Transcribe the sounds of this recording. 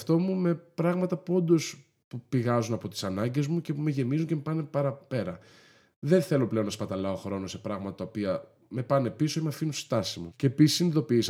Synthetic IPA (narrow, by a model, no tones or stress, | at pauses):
ft̪o̞mume̞pɾɐɣmɐt̪ɐpuo̞nd̪o̞s | pupiɣɐzunɐpo̞t̪i̥sɐnɐɲɟe̞zmuce̞ume̞ʝe̞mizunceme̞pɐne̞pɐɾɐpeɾɐ | ðe̞nθe̞lo̞ple̞onɐspɐt̪ɐlɐo̞xɾo̞no̞se̞pɾɐɣmɐt̪ɐt̪ɐopiɐ | me̞pɐne̞piso̞imeɐfinunsi̥st̪ɐsimuce̞ːpisi̥siniðo̞piis